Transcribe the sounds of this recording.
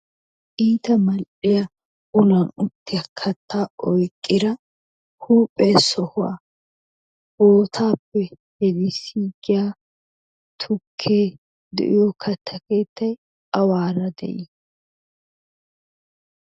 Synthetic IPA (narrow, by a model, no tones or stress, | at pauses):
ʔiːt̪ɐmɐlʔɪjɐ | ʊlɐnʊt̪ːɪjɐkʰɐt̪ʰːaːɔjkʼːɪd̪ɐ | huːpʼːeːsɔhʊwa̰ | boːt̪ʰaːpːɛ | hɛd̪ɪsiːɡɪja | t̪ʰʊkʰːeː | d̪ɛ̰ʔɪ̰jokʰɐt̪ʰːɐkeːt̪ːɐj | ɐwaːɾɐd̪ɛ̰ʔɪ